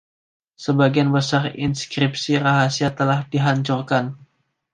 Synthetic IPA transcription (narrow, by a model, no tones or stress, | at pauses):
səbaɡianbəsarḭnskɾip̚siraɦasiat̪əlahdiɦaɲt͡ʃurkan